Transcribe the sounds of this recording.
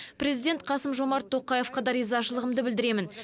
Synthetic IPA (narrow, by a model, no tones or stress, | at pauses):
pɾe̞zijd̪ʲe̞nt̪̚qʰɑsəmʒo̞mɑɾt̪ʰːo̞qːɑje̞fqɑd̪ɑɾijzɑʃəlˠəʁəmd̪əbɪld̪ɪɾe̞mɪn